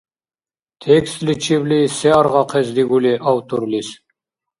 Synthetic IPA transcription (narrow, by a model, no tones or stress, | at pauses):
t̪ʰekst̪lit͡ʃʰiblisɛɑɾʁɑqʰɛzd̪iɡuliʔɑwt̪uɾlis